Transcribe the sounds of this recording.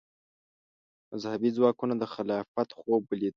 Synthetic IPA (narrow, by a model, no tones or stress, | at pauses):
mazhabizwɑkunad̪əxɪlɑfat̪xobəli